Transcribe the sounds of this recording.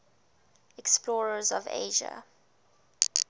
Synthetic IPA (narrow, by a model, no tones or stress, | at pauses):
ɛksplɔːɹəzɔvḛːʒə̰